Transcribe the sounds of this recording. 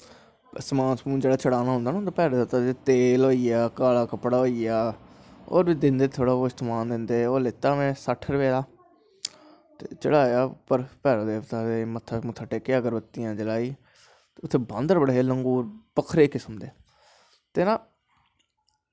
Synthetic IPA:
səmaːnsmũːd͡ʒeːɽaːt͡ʃəɽaːnaːɦʊ̃nd̪aːnnd̪aːpɛːɾːd̪eːt̪aːt̪eːloːiːaːkaːlaːkəpɽaːɦoːiːaː | o̰ːɾʋid̪ɪnd̪eːt̪ʰoːɽaːoːɪst̪maːnd̪ɪnd̪eːoːlet̪aːmɛ̃ːsəʈʰɾəpeːd̪aː | t̪eːt͡ʃəɽaːjaːpəɾpɛːɾoːd̪eːʋt̪aːemət̪ʰːamũːt̪ʰəʈeːkːeːəɡəɾʋət̪ːijãːd͡ʒəlaːiː | t̪ːʊt̪ʰːeːbãːnd̪əɾbəɽeːləŋɡuːɾpəkʰɾeːkɪsəmd̪eː | t̪eːnãː

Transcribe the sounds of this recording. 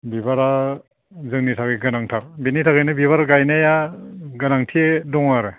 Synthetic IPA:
bibaɾa | zɯŋnitʰakiɡɯnaŋtʰak̚binitʰakɯjnɯbiβaɾɡajnajaɡɯnaŋtʰiedɔŋaɾɯ

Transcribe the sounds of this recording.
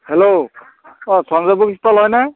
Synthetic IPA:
helo | ɔsɔnzabukist̪ɔlɦɔjnaj

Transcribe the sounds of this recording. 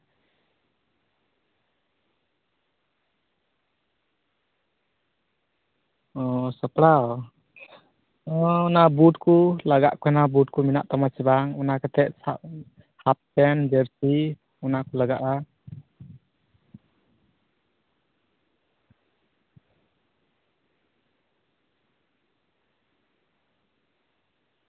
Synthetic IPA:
ɔsəpɽaw | ɔunabutkʰulaɡa̰ʔkʰanabut̚kʰumina̰ʔt̪amasibaŋɔnakat̪ʰɛʔsaʔ | hap̚tɛnd͡ʒəɾsi | ɔnakulaɡaʔa

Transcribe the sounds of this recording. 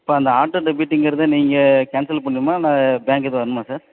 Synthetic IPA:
ɪpːoːɐnd̪ɐaːʈːɐɖɛbiːʈːɪŋɡɪɾɐðɯniːŋɡɐkɛːnsɪlpɐɳːɯmaːnãːbaːŋɡɛðɯʋɐɾɯnɯmãːsaːɾ

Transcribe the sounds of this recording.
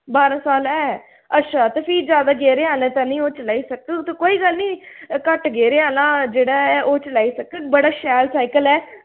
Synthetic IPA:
baːɾãːsaːlɛː | ətːʃaːt̪epʰiːd͡ʒjaːd̪aːɡeːɾeːaːlãːt̪aːnĩːoːt͡ʃlaːiːsəkət̪okoːiːɡəlnĩːkəʈɡeːɾeːaːlãːd͡ʒeːɽaːɛːʔoːt͡ʃlaːiːsəkəbəɽaːʃɛːlsaːɪkəlɛː

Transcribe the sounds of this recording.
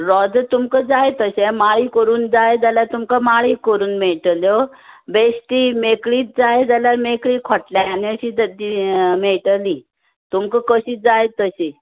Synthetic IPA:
ɾɔd͡zt̪umkəd͡zajet̪əsemaɭiːkəɾuːnd͡zajed͡zaljaɾt̪umkəmaɭikəɾuːnmeɭʈljo | besʈ̪imekɭiːt̪̚d͡zajed͡zaljaɾmekɭiːkʰɔʈljaaniəɕiːd͡zəd̪imeɭʈəli | t̪umkəkəɕiːt̪̚d͡zajet̪ːəse

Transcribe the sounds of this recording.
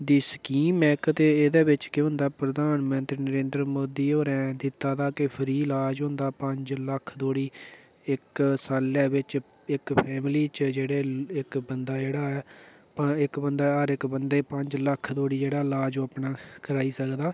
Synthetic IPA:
d̪iːsəkiːmɛːkt̪eːed̪eːbɪt͡ʃkɪɦʊ̃nd̪aːpɾəd̪aːnmə̃nt̪ɾiːnəɾẽːnd̪ɾəmoːd̪iːoːɾɛ̃ːd̪ɪt̪ːaːd̪aːkɪpʰɪɾiːlaːd͡ʒɦʊ̃nd̪aːpəɲd͡ʒləkʰd̪oːɽiː | ɪksaːlːɛːbɪt͡ʃ | ɪkpʰɛːmliːt͡ʃd͡ʒeːɽeːɪkbənd̪aːd͡ʒeːɽaːɛː | pəɪkbənd̪aːəɾɪkbənd̪eːpəɲd͡ʒləkʰd̪oːɽiːd͡ʒeːɽaːlaːd͡ʒoːapnaːkəɾaːiːsəkd̪aː

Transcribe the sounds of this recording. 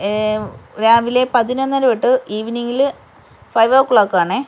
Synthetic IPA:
ɾaːʋile̞pɐðinɐnːɐɾɐʋiʈːɨiːʋiniŋil | fɐjʋɐʋkɭoːkːaːɳɨ

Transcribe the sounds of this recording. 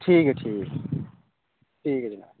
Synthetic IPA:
ʈʰiːkʈʰiːk | ʈʰiːkd͡ʒna̰ː

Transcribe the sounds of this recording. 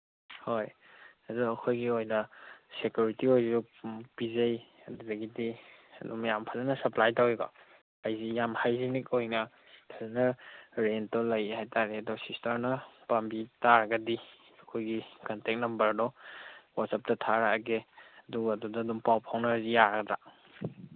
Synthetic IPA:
hoj | adɔɐkʰojɡiojnɐsekjuɾitiojzu | pizɐj | ɐdudɐɡidiɐ̰dumajampʰazɐnɐsɐplajtaweɡa̰ | ajzijamhajzinikojnɐ | tʰazɐnɐɾentɔlɐjhajtaɾeɐdɔsistɐɾnɐpambitaɾɐɡɐdi | ɐkʰojɡikantek̚nɐmbɐɾɐdɔwatsap̚tɐtʰaɾaɡeɐduɡɐdudaːdumpawpʰawnazijaɾɐɡɐda

